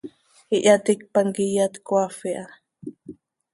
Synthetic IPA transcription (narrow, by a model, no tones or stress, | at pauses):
iʔat̪ik̚paŋkijat̪kʷafiʔa